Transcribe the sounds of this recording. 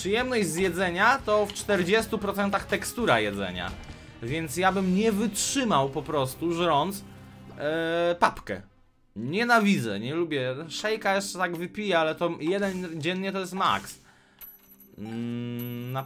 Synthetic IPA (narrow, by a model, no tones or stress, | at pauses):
pʂɨjɛmnɔʑʲzjɛd̪zɛɲat̪ɔft͡ʂt̪ɛɾd͡ʑɛst̪upɾɔt̪sɛnt̪axt̪ɛkst̪uɾajɛd̪zɛ̰ɲa̰ | vʲjɛnt̪sjabɘmɲɛvɘtʂɘmawpɔpɾɔst̪uʐɾɔnt̪s | papkɛ̰ | ɲɛnavʲid̪zɛ̰ɲɛlubʲjɛʂɛjkajɛʂt͡ʂɛt̪aɡvɘpʲijɛalɛt̪ɔjɛd̪ɛnd͡ʑɛnɲɛt̪ɔjɛst̪ma̰ks | na